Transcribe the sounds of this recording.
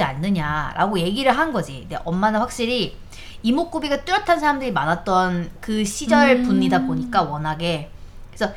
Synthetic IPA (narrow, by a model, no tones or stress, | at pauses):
ianːɯɲaɾʔa̰ɡoje̞ɡiɾɯɭɦannɡʌd͡ʑiindḛʔʌmːanaɸwak̚ɕ͈iɾi | imok͈ubiɡat͈ɯɾjʌtʰansʰaɾamdɯɾimanat̚t͈ʌnkɯɕʰid͡ʑʌɭpuɲːidaboɲik͈awʌnɦaɡe̞kesʰʌ